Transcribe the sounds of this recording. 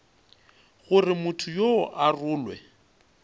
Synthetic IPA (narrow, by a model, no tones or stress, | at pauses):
ɣʊrɪmʊtʰʊjoʔarʊːlwɛ̰